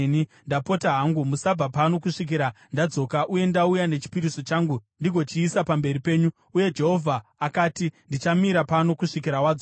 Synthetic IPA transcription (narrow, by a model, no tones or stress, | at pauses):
nindapo̞taɦaŋɡumusab͡vapano̞kuʂik̬iɾa | ndad͡zo̞ːkaʔuje̞ndaujane̞t͡ʃi̥piɾiso̞t͡ʃaːŋɡundiɡʱo̞t͡ʃiːsapambe̞ɾipe̞ːɲu | uje̞d͡ʒe̞ɦo̞vʱaːkaːtindit͡ʃamiɾapano̞kuʂikiɾawad͡zo